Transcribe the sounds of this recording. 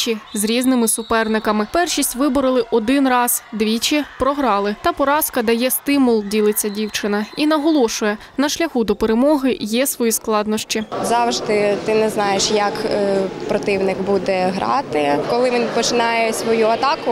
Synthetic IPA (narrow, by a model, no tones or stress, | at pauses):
t͡ʃizɾʲiznɪmɪsʊpɛrnɪkɐmɪpɛrʃisʲtʲʋɪbɔɾɪlˠɪʔɔd̪ɪnrɑz̥d̪ʋʲit͡ʃɪpɾɔɦɾɑlˠɪt̪ɑpɔɾɑskɐd̪ɐjɛst̪ɪmʊlˠdʲilˠɪt͡sʲːɐdʲiwt͡ʃɪnɐinɐɦɔlˠɔʃʊjɛ | nɐʃlʲɐxud̪ɔpeɾemɔɦɪjɛsʋɔjisklˠɑd̪nɔʃt͡ʃizɑwʒd̪ɪt̪ɪnɛznɑjeʃjɐkpɾɔt̪ɪwnɪkbud̪ɛɦɾɑ̰t̪ɪkɔlˠɪʋʲinpɔt͡ʃɪnɑjɛsʲʋɔjuɐt̪ɑkʊ